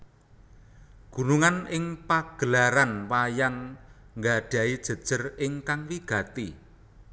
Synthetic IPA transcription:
ɡ̥ṳnuŋanɪŋpaɡ̥ə̤laɾanwajaŋ | ŋɡaɖ̥ä̤id̥ʒ̥ə̤d̥ʒ̥ə̤rɪŋkaŋliɡ̥a̤t̪ḭ

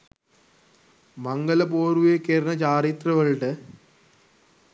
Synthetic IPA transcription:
mɐŋɡɐlɐpoːɾuʋekːeːɾɐnɐt͡ɕaːɾit̪rɐɣɐɭʈɨ

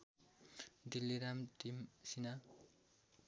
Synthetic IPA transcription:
d̪ilːiɾamt̪imsina

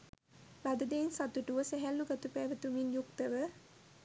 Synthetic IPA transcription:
lad̪əd̪eːnsat̪uʈuʋəsæɦælːuɡat̪upæːʋət̪uminjuk̚t̪əʋə

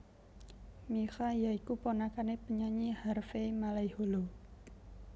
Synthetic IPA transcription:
mixajaikuponakanepəɲaɲiharfemalaiholo

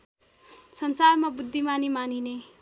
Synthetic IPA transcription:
sʌnsarmabud̪ʱːimanimanine

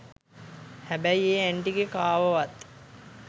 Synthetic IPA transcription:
hæbæieːæɳʈiɡekaːʋəʋat̪

